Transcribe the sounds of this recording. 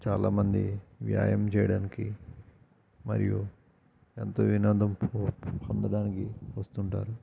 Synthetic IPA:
t͡ʃaːlaːmɐnd̪iʋja̰ːjɐmt͡ʃɛːjɐɽaːnikḭ | mɐ̰ɾiju | ent̪oːʋinɐnd̪ɐmppɐnd̪ɐɽaːnikiʋɐst̪uɳʈaːɾu

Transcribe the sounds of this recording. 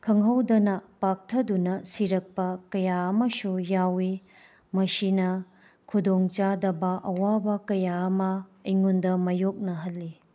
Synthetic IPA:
kʰɐŋɦɐwdɐnɐpak̚tʰɐdunɐsiɾɐk̚pɐkɐjaɐmɐsujawi | mɐsinɐ | kʰudoŋt͡ʃadɐbɐʔɐwabɐkɐjaːmɐiŋundɐmɐjok̚nɐɦɐlːi

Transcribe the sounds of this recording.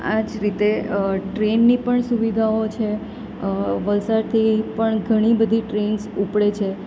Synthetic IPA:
ad͡ʒɾit̪eʈɾenːipəɳsuʋid̪ʱaot͡ʃʰe | ʋəlsaɾt̪ʰipəɳɡʱəɽ̃ibəd̪ʱiʈɾensupɽet͡ʃʰe

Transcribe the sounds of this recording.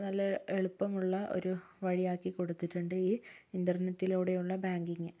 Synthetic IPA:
nɐlːɐeɭupːɐmuɭːɐʔo̰ɾu | ʋɐɻijaːkːiko̞ɽut̪ːiʈːuɳɖɨiːindɐrnetːiloːɽejuɭːɐbaːŋɡiŋːɨ

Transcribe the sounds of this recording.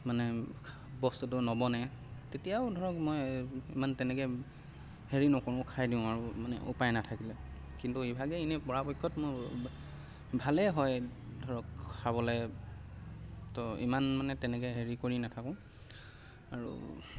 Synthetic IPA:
manɛ | bɔstut̬ʊnɔbɔnɛ | tetijaʊdʱɔɹɔkmɔjḭmantɛnɛkɛ | heɹinɔkɔɹʊ̃kʰajdiʊ̃aɹumanɛ̰ʔṵpajnatʰakilɛ | kintuibʱaɡɛinɛpɔɹapɔjkʰːɔtmʊɹ | bʱalɛɦɔj | dʱɔɹɔkʰːabɔlɛ | tɔḭmanmanɛtɛnɛkɛɦeɹikoɹinatʰakɔ̃ | aɹṵ

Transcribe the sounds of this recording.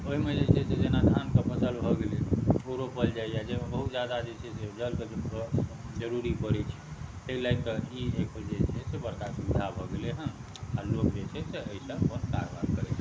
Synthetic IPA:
oɦimed͡ʒet͡ʃʰɛsed͡ʒenad̪ʰʱankepəsəlbʱɔɡeleoɾopəld͡ʒajjad͡ʒemebəɦut̪d͡ʒjad̪ad͡ʒet͡ʃʰɛsed͡ʒəlke | d͡ʒəɾuɾipəɾɛt͡ʃʰɛ̥t̪eilaɡ̚t̪əieked͡ʒet͡ʃʰɛsebəɾkasubid̪ʱabʱɔɡeleɦə̃ | alokd͡ʒet͡ʃʰɛseəisə̃kənka̰ɾba̰nikəɾɛt͡ʃʰɛ̥

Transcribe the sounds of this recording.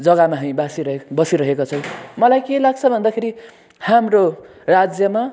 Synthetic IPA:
d͡zʌɡamaɦʌ̃j̃basibʌsiɾʌɦekot͡sʰʌw̃mʌlajkelaɡt͡sʰʌbʱʌnd̪akʰeɾi | hamro | rad͡zjʌma

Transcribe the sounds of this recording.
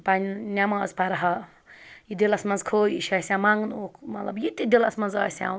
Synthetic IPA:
panʲnʲamɐɐ̰zpaɾɐɦɐ | jid̪elɐsmɐnzkʰoːjiʃɐsʲãmaŋɡnukʰmɐt̪lɐbjit̪id̪elɐsmɐnzɐːsʲã̰

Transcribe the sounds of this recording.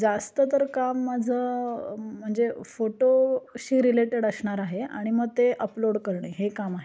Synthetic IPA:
d͡zast̪ət̪əɾkamːad͡zʱə | m̤əɳd͡zefoʈoɕiːɾileʈeɽəsɳaɾaɦea̰ɽ̃iməɡ̚t̪eʔəploɽkəɾɳeɦekamaɦe

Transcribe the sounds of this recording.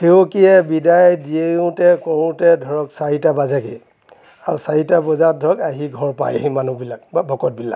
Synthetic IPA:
xeokiɛbidajdiejũtɛkɔɹʊ̃tɛdʱɔɹɔksaɹitabazake | aɹusaɹitabɔzadʱɔɹɔkaɦiɡʱɔɹpa̰jaɦimanubilak̚babʱɔkɔt̚bila̰k

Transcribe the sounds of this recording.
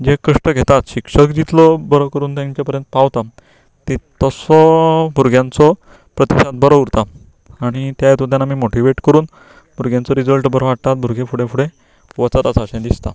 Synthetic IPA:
d͡ʑekəʂʈəɡʱet̪at̪ɕikʂəkd͡ʑit̪lɔbəɾɔkəɾuːnt̪jãɲt͡ɕjapəɾjənt̪̚paʋt̪a | t̪et̪əsɔbʱuɾɡʱjãnt͡sɔ | pɾət̪iɕat̪̚bəɾəuɾt̪a | aɽ̃it̪jajet̪ut̪jãnamiːmoʈiʋeʈkəɾuːn | bʱuɾɡjãnt͡sɔɾid͡zəlʈbəɾʋaʈt̪at̪̚bʱuɾɡʱẽfuɽẽfʰuɽe | ʋət͡saɾasaɕẽd̪ist̪a̰

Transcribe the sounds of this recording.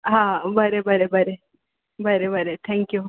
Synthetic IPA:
ɦabɐɾebɐɾebɐɾe | bɐɾebɐɾet̪ʰɛŋkju

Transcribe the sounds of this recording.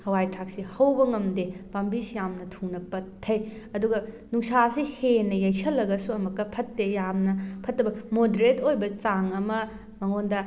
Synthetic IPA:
hɐwajtʰak̚sihɐwbɐŋɐmdepambisjamnɐtʰuŋnɐpɐtʰːɐj | ɐduɡɐ | nuŋsasihenɐjɐjsɐlːɐɡɐsuɐmɐkːɐpʰɐtːejamnɐpʰɐtːɐbɐmodeɾetʰojbɐt͡ʃaŋɐmɐ | mɐŋondɐ

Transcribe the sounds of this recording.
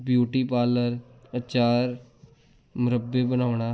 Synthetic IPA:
bjuːʈipaːləɾət͡ʃaːɾ | mʊɾəbːebənaːʋɽ̃aː

